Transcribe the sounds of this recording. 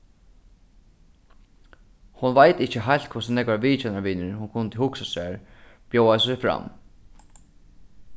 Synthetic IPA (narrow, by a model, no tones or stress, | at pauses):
hʊnvajt̪ɪht͡ʃəɦajlt̪kʰʊsɪnɛkvaɾʋiːt͡ʃɛnaɹʋɪnɪhʊŋkʰʊnt̪ɪhʊksasæaɹ | b̥jowassɛjfɾa̰m